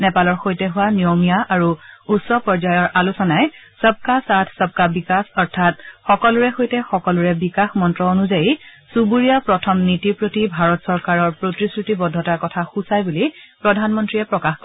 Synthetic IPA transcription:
nɛpalɔɹxojtɛɦʊwanijomijaʔaɹuutsɔpɔɹzajɔɹʔalusɔnaɛsəb̚kasatʰsəb̚kabikasɔɹtʰatxɔkɔlʊɹɛxojtɛxɔkɔlʊɹɛbikaxmɔntɹɔonuzajisubuɹijapɹɔtʰɔmnitipɹotibʱaɹɔtsɔɹkaɹɔɹpɹotisɹutibɔdʱɔtaɹkɔtʰaxusajbulipɹɔdʱanmɔntɹijɛpɹɔkaxkɔ

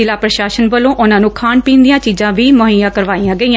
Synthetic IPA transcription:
ɪlaːpɾəʃaːʃənʋəlõːʔʊnãːnũːkʰaːɳpĩːnd̪ijãːt͡ʃiːzãːʋiːmoɦiːjãːkəɾʋaːijãːɡəiːãː

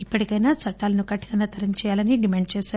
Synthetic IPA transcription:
ipːɐʈikɐjnaːt͡ʃɐʈːaːlɐnukɐʈːit̪ɐnɐt̪ʰɐɾɐnt͡ʃɛːjaːlɐniɖimeːɳɖ̚t͡ʃɛːsaː

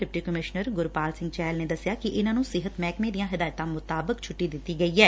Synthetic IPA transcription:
ɖɪpʈiːkəmɪʃnəɾɡʊɾpaːlsɪ̃ŋɡt͡ʃɛːlneːd̪əsːɪjaːkɪʔɪnãːnũsɪɦət̪mɛːkmẽːd̪ɪjãːɦɪd̪aːjt̪ãːmʊt̪aːbəkt͡ʃʰʊʈːid̪ɪt̪ːiːɡəiːɦɛː

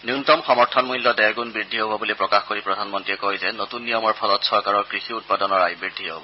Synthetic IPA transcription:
njuntɔmxɔmɔɹtʰɔnmujlːɔdɛɡunbɹidʱːiɦobɔbulipɹɔkaxkoɹipɹɔdʱanmɔntɹiɛkojzɛnotunːijɔmɔɹpʰɔlɔtsɔɹkaɹɔɹkɹixiut̚padɔnɔɹajbɹidʱːiɦobɔ

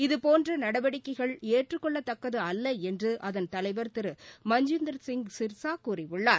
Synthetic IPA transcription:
ɪðɯpoːndrɐnɐɽɐʋɐɽɪkːɐɪɣɐɭeːʈrɯkːɔɭːɐt̪ːɐkːɐðɯɐlːɐɛndrɯʔɐðɐnt̪ɐlɐɪʋɐɾt̪ɪɾɯmɐɲd͡ʒɯnd̪ɐɾsɪŋɡsɪɾsaːkuːrɪʋɯɭːaː

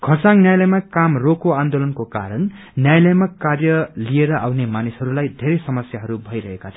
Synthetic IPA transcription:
kʰʌrsaŋnjajlʌjmakamrokoand̪olʌnkoka̰ɾʌn | njajlʌjmakarjʌlieɾʌʔawnemanishʌɾulajd̪ʱeɾʌjsʌmʌsjaɦʌɾubʱʌjɾʌɦekat͡sʰʌ̃

